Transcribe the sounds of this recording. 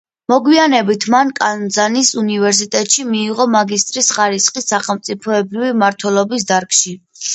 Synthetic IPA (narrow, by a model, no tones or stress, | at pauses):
mɔɡwianɛbit̪ʰmankʼand̪zanisunivɛɾs̬it̪ʼɛt̪ʼʃimiːʁɔmaɡist̪ʼɾisχaɾisqʼisːaχɛlˠmt̪sʼipʰɔɛbɾivimaɾt̪ʰwɛlˠɔbis̬d̪aɾkʰʃi